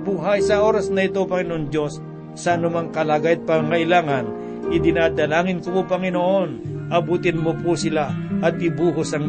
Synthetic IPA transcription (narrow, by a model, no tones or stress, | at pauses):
buɦajsɐʔo̞ːɾɐsnɐɪt̪opɐŋɪnoʔond͡ʒo̞sː | ɐɐnʊmaŋkɐlaɡajɐt̪̚pɐŋaŋɐʔɪlaːŋɐn | ʔɪd̪ɪnaːd̪ɐlaːŋɪnkopopɐŋɪnoʔo̞nʔɐbuːt̪ɪnmopusɪlaʔɐt̪̚ɪbuːɦosɐŋ